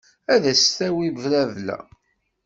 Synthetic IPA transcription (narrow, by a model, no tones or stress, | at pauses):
æðæsθæwibəvɾæðlæ̰